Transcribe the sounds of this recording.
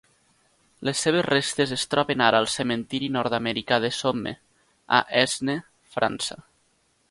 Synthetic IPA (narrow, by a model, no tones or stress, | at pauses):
lesːeβ̞ezrest̪ezest̪ɾɔβenaɾaalˠsement̪iɾinɔɾt̪ameɾikaðesomḛ | a̰ʔɛzne | fɾʔa̰nsa